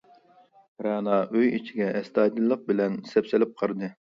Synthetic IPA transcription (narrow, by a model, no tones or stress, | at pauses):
ɾɑːnɑʔøjit͡ʃʰiɡʲɛʔɛst̪ɑːd̪ɨlˠːəq̚bɪlɛnsɛpsɪlɪp̚qʰəɾd̪ɨ